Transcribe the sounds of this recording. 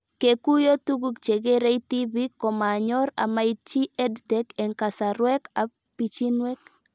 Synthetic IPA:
ke˨ku˦jo˦tu˦ɡu˦kt͡ʃe˨ɡe˦ɾe˦iti˦βi˦kːɔ˨ma˨ɲɔ˦ɾa̰˨ma˨it͡ʃi˦ɛ˦dtɛkɛ˨ŋka˨sa˨ɾwɛ˦ka˨ | pi˨t͡ʃi˦nwe˦k

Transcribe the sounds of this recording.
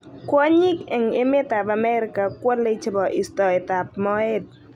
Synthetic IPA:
kwɔ˦ɲɪ˦kɛ˨ŋɪ˦mɪ˦t̪a˨ba˨mɛ˦ɾɪ˦ka˨kwo˦le˦t͡ʃɪ˦bɔ˨ʔɪ˨stɔ˨ɪ˨t̪a˨p̚mɔ˦ɛ˦d̚

